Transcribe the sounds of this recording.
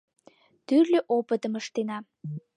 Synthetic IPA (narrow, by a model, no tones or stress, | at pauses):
t̪yrlʲøʔopət̪əməʃt̪enɑ